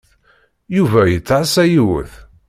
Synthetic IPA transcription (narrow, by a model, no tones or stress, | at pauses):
juvæjət͡sːʕsæjiwə̰θ